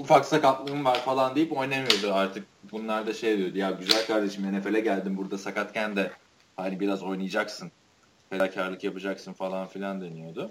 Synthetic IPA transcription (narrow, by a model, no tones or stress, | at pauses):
ufaksakap̪lˠɯɯmvaɾfalˠand̪eijipo̞jnamɯjo̞d̪ʊaɾt̪ʰɯk̚bunlˠaɾd̪aʃe̞jad̪ijo̞d̪ujaɟyzælʲkʰaɾd̪e̞ʃimenefe̞lʲɛɟælʲd̪imbuɾd̪asakat̪cænd̪ɛ | hanibiɾazo̞jnɯjɯd͡ʒaksɯn | fʰed̪acʰaɾlˠɯkjapɯd͡ʒaksɯnfalˠanfilʲand̪enijo̞d̪ʊ